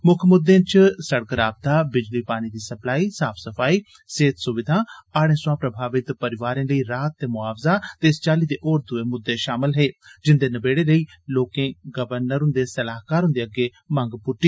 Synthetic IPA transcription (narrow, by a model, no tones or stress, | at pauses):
mʊkʰmʊd̪ːẽːt͡ʃsəɽkəɾaːb̚t̪aːbɪd͡ʒliːpaːñiːd̪iːsəplaːiːsaːpʰsəpʰaːiː | seːt̪sʊʋɪd̪ʱãːaːɽẽːsʊãːpɾəbʱaːʋɪt̪pəɾɪʋaːɾẽːləiːɾaːt̪̚ːeːmʊaːʋzaːt̪eɪst͡ʃaːliːd̪eːʔoːɾd̪ʊeːmʊd̪ːeːʃaːmɪlɦeːd͡ʒɪnd̪eːnəbeːɽeːləiː | loːkẽːɡəʋəɾnəɾɦʊ̃nd̪eːsəlaːɦkaːɾɦʊ̃nd̪eːəɡeː | mə̃ŋɡpʊʈːiː